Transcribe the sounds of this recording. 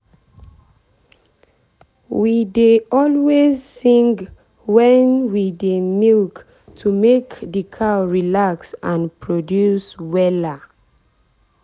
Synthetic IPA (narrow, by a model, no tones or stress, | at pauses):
wideɔlwezsĩŋɡ | wɛ̃nwidemilk | tʰumekdikʰaʊɹilaksãnpʰɹodjuswɛla